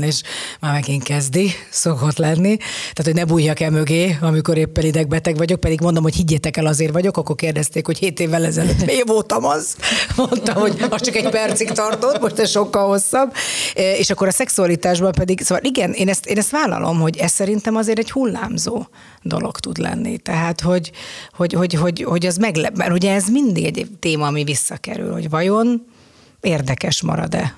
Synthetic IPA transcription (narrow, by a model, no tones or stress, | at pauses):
neːʃmaːmɛɡeːŋkɛzd̪iso̞ko̞t̪lɛnːit̪aːt̪ʰoɟnɛbuːjːɒkɛlmøɡeːɒmiko̞ɾeːpːɛnid̪ɛɡ̚bɛt̪ɛɡvɒɟo̞k̚pɛd̪iɡmond̪o̞mho̞chiɟːɛt̪ɛkɛlɒzeːrʋɒɟo̞kɒkːo̞rkeːrd̪ɛst̪eːkho̞cheːt̪eːvːɛlɛzɛløt̪meːvoːt̪ɒmɒzmo̞nt̪ɒmho̞ɟɒst͡ʃɒkɛɟpɛrt̪sikt̪ɒrt̪o̞t̪mo̞ʃt̪ɛsʃo̞kːɒlho̞sːɒbeːʃɒkːo̞ɾɒsɛksuɒlit̪aːʒbɒmpɛd̪iɡsoːvɒliɡɛneːnɛst̪eːnɛst̪ʋaːlɒ̰lʔo̞̰mho̞ɟɛssɛɾint̪ɛmɒzeːɾɛɟhulːa̰ːmzoː | d̪o̞̰lo̞̰kt̪ud̪lɛ̰nːḭt̪ɛɦaːt̪ho̞ɟho̞ɟho̞ɟɦo̞ɟho̞ɟɛzmɛɡlɛmɛ̰rhuɟɛːzmind̪iɡɛɟt̪eːmɒːmivisːɒkɛ̰ɾy̰lho̞̰ɟʋɒjo̞n | eːrd̪ɛkɛʃmɒ̰ɾɒ̰d̪ɛ